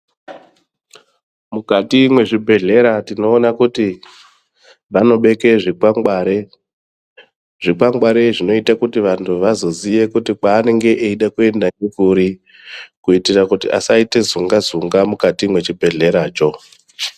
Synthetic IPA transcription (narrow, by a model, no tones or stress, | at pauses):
mukatimwe̞ʐibʱe̞ɮe̞ɾatino̞ːnakuti | ʋano̞ɓe̞ke̞ʐikaŋaɾe | ʐ̥ikaŋɡwaɾe̞ʐino̞itakutiʋantʰuʋazo̞zije̞kutik͡paːne̞ŋɡe̞ʔeiɗakue̞ndanekuɾi | kuitirakutiʔa̰saite̞zuŋɡazuŋɡamukatimwe̞t͡ʃibʱe̞ɮe̞ɾaːt͡ʃo̞